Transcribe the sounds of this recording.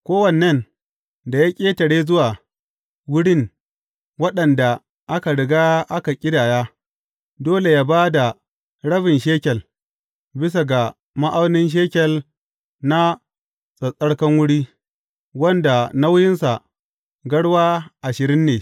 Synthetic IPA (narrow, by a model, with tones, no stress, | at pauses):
kʷoː˦wɐ˨nɐ˦n | da˨ja˦kʲʼeː˦tɐ˨ɽeː˦zʊ˦waː˨ | wʊ˦ɽɪ˦ŋ | wɐ˦ɗɐ˨nda˨ | ʔa˦ka˨ɽɪ˨ɡaː˦ʔa˦ka˨kʲʼɪ˦daː˨jaː˦ | doː˦le˨jaː˦baː˦da˨ | ɽɐ˦ɸɪ˨nʃeː˦kʲɛ˨l | bɪ˦s̬a˨ɡa˨ | ma˦ʔa˦wnɪ˦nʃ̬eː˦kʲɛ˨l | na˦ | sʼɐ˨sʼɐ˦ɽkɐ˦ŋwʊ˦ɽiː˦ | wɐ˦nda˨na˦wjɪ˦nsa˨ | ɡɐ˦ɽwaː˦ʔa˨ʃɪ˨ɾɪ˦nːeː˨